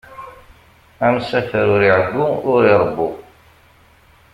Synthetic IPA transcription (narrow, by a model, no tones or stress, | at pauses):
æmsæfəɾʊɾiʕəɡːuʊɾiɾˤəbːu